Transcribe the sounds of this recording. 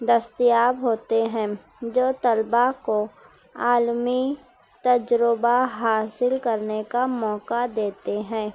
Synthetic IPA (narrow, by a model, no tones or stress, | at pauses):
d̪əst̪ɪjaːbɦoːt̪eɦɛ̃ː | d͡ʒoːt̪ɐlbako | aːlmi | t̪ɐd͡ʒɾəbaɦaːsɪlkɐɾnekamɔːkad̪eːt̪eɦɛ̃ː